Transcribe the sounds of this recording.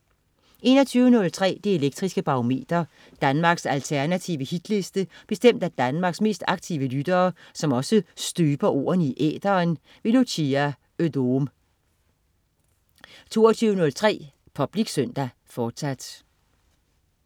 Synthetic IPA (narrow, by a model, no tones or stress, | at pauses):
ʔe̝ːnɒt͡sʰyːʊənɔ̽lt͡sʰʁɛ̰ːd̥eeleɡ̥̚d̥ʁisɡ̥əb̥ɑ̈o̝me̝̰ːd̥ɐ | d̥ænmɑ̈ːɡ̥sælt͡sʰæɐnæt͡sʰiʋəhid̥le̝sd̥əb̥e̝sd̥em̰d̥æd̥ænmɑ̈ɡ̥sme̝̰ːsd̥ɑ̈ɡ̥̚t͡sʰiʊʋəlyd̥ɐːsɒ̽mɒ̽səsd̥yːb̥ɐʔo̝̰ːɐ̰n̩iʔḛːd̥ɐːn | ʋe̝luɕiæ | ødom | t͡sʰo̝̰ːɐt͡sʰyːʊənɔ̽lt͡sʰʁɛ̰ː | pʰɒ̽b̥liɡ̥søn̰d̥æ | fɒːd̥sæd̥